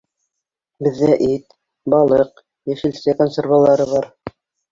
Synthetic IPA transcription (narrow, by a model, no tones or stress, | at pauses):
bɘ̆ðːæʔit̪ | bɑlˠɤq | jæʃɘ̆lsækonsʲervalˠɑɾɤβɑɾ